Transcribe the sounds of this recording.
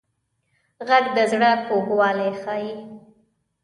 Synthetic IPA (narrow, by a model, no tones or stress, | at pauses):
ɣaɡd̪əzɽapoɡwɑːlexɑːji